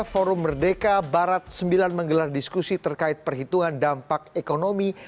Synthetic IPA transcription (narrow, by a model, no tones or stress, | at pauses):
foɾʊmːərdekabaɾat̪̚səmbilanməŋɡəlardiskusit̪ərkaɪt̪̚pərɦit̪uŋandampak̚ekonomi